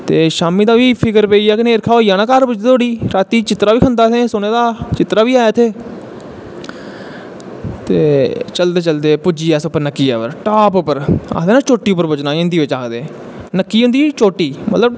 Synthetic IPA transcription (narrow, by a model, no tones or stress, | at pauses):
t̪eːʃaːmiːd̪aːʋiːpʰɪkəɾpeiːaːkɪneːɾkʰaːoːijãːnãːkəɾbʊd͡ʒ̪eːt̪ʰoːɽiːɾaːt̪iːt͡ʃɪt̪ɾaːʋiːkʰənd̪aːt̪ʰẽːsʊneːd̪aːt͡ʃɪt̪ɾaːʋiːaːjaːt̪ʰeː | t̪eːt͡ʃəld̪eːt͡ʃəld̪eːpʊd͡ʒiːɛːsʊpːəɾnəkːiːɛ̰ːʋəɾʈaːpʊpːəɾa̰ːd̪eːnãːt͡ʃoːʈːiːʊpːəɾbʊt͡ʃnaːɪ̃nd̪iːʋɪt͡ʃaːkd̪eː | nəkːiːʊ̃nd̪iːt͡ʃoːʈːiːmə̰t̪ləb